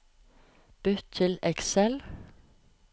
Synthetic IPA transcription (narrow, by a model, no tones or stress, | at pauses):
b̥ʉt̪ʰɪlɛksɛl